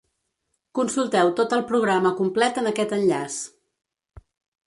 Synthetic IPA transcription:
kunsulˠt̪ɛwt̪ot̪əlˠpɾuɣɾaməkumplɛt̪ənəkɛt̪ənʎas

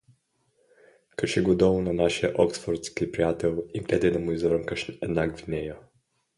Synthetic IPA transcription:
kəʃɛɡod̪ɔvunɐnaʃijəʔɔksfoɾt̪skipɾijat̪ɛlˠimt̪ɛt̪ɛd̪ɐmuizvɾəmkəʃɛd̪naɡvinɛjə

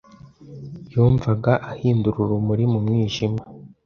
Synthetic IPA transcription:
juːɱvaɡaʔahiːnduɾuɾumuɾimumŋiːʒima

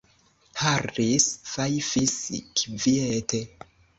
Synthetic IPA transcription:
harisfajfisikvietʰe

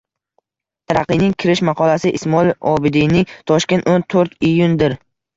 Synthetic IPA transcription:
t̪ʰaɾɑqɨjnɪŋkʲʰɪɾɪʃmɑqʰɒlasɪʔɪsmɒɪlɒbɪd̪ijnɪŋt̪ʰɒʃkʲe̞nt̪ont̪ʰoɾt̪ijʊnd̪ɪɾ

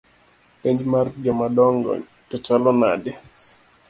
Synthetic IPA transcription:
piɲd͡ʒmard͡ʒɔmadɔŋɡɔ̰ | tɔt͡ʃalɔna̰dɪ

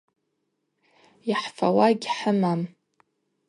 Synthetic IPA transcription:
jaħfawaɡʲħəmam

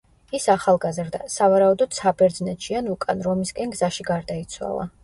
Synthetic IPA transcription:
isaχalˠɡazɾd̪a̰savaɾaud̪ɔd̪̥sabɛɾd̪znɛt̪ʃianukʼanɾɔmiskʼɛnɡzaʃiɡaɾd̪ait̪sʰwa̰lˠa̰

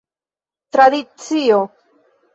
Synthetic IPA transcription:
t̪ɾad̪it͡sio

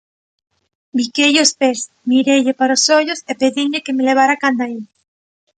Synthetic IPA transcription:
bikeʎospes | miɾeʎepaɾosoʎosepeðiŋʎekemeleβ̞aɾakand̪ai

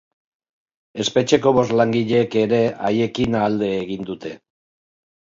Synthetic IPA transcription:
e̞spe̞t͡ʃe̞ko̞βo̞zlaŋɡiʎe̞ke̞ɾe̞aje̞kinaːld̪e̞ːɣind̪ut̪e̞

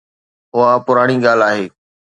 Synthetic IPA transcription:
ɦʊɦapʊɾaːɽ̃iɡaːlaːɦeː

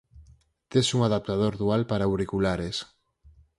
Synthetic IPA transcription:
t̪esuŋaðap̚t̪að̞oɾðualpaɾauɾikulaɾes

